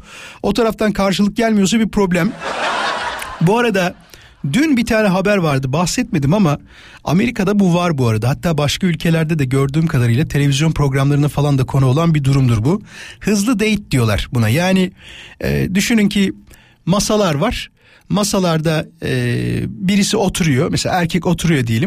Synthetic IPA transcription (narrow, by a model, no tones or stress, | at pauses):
o̞t̪ʰaɾaft̪ʰankʰaɾʃɯlˠɯk̚ɟælʲmijo̞s̬abipɾo̞blʲæm | buaɾad̪a | d̪ynbit̪ʰaːnɛɦabæɾvaɾd̪ɯbaxsɛt̪̚me̞d̪imama | a̰me̞ɾikʰad̪abuvaɾbuaɾad̪aɦat̪ːaːbaʃkaylʲcʰe̞lʲæɾd̪ɛd̪ɛɟø̞ɾd̪yːmkʰad̪aɾɯjlˠat̪ʰe̞lʲe̞vʲizjo̞npʰɾo̞ɡɾamlˠaɾɯnafalˠand̪akʰo̞nuo̞lˠanbid̪uɾumd̪uɾbuhɯzlˠɯd̪ejt̪̚d̪ijo̞lˠa̰ɾ̥bunajaːnɪɛ̰ːd̪yʃynyncʰi | masalˠaɾvaɾ̥ | masalˠaɾd̪aɯːbiɾisio̞t̪ʰuɾujo̞mɛselʲa̰ːæɾcʰɛco̞t̪ʰuɾujo̞d̪ijeim